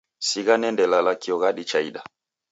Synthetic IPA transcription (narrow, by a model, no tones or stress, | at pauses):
siɣanɛndɛlalakiɔɣaɗit͡ʃaiɗa